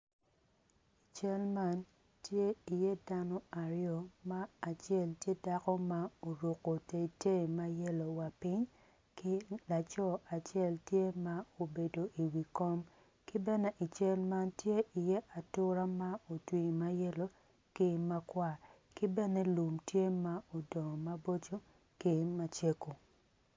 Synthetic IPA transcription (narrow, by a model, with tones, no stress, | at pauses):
i˨t͡ʃɛ˦lma˦n | tje˦i˨jɛ˦da˦nɔ˦a˨ɾjɔ˨maː˦˨t͡ʃɛ˦˨ltje˦da˦kɔ˦ma˦o˨ɾo˨ko˨te˨te˦˨ma˦jɛ˦lo˨wa˨pi˦ɲ | kɪ˦la˨t͡ʃɔ˦a˨t͡ʃɛ˦˨ltje˦ma˦o˨be˨do˨ʔi˨wi˨kɔ˦m | kɪ˦bɛ˦nɛ˦ʔi˨t͡ʃɛ˦lma˦ntje˦ʔi˨jɛ˦ʔa˨tʊ˦ɾa˦ma˦o˨twi˨ma˦jɛ˦lo˨ | ki˦ma˦kwa˦ | kɪ˦bɛ˦ne˦lu˨mtje˦ma˦o˨dɔ˨ma˦bo˦t͡ʃo˦ | ki˦ma˨t͡ʃe˦ko˨